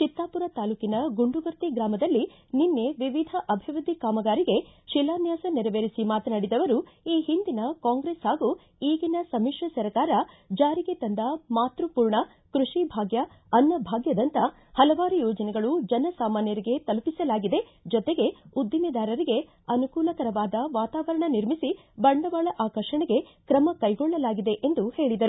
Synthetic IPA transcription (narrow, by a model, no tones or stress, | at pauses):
t͡ʃit̪ːaːpuɾɐt̪aːluːkinɐɡuɳɖuɡɐɾt̪iɡɾaːmɐd̪ɐlːi | ninːe̞ʋiʋid̪ʱɐʔɐbʱiʋɐd̪ʱikaːmɐɡaːɾiɡe̞ʃilaːnjaːsɐnɛɾɐʋeːɾisimaːt̪ɐnaːɽid̪ɐʋɐɾuiːɦind̪inɐkaːŋɡɾeːshaːɡu | iːɡinɐsɐmiʂɐsɐɾkaːɾɐ | d͡ʒaːɾiɡet̪ɐnd̪ɐmaːt̪ɾupuːɾɳɐ | kɾuʂibʱaːɡjɐ | ɐnːɐbʱaːɡjɐd̪ɐnt̪ɐ | hɐlɐʋaːɾujɔːd͡ʒɐnɛɡɐɭud͡ʒɐnɐsaːmaːnjɐɾiɡe̞t̪ɐlupisɐlaːɡid̪e̞ | d͡ʒɔt̪e̞ɡe̞ud̪jɐmid̪aːɾɐɾiɡe̞ | ɐnukuːlɐkɐɾɐʋaːd̪ɐʋaːt̪aːʋɐɾɐɳɐniɾmisi | bɐɳɖɐʋaːɭɐʔaːkɐɾʂɐɳeɡe̞kɾɐmɐkɐjɡɔɭːɐlaːɡid̪e̞ʔend̪uhe̞ːɭid̪ɐɾuu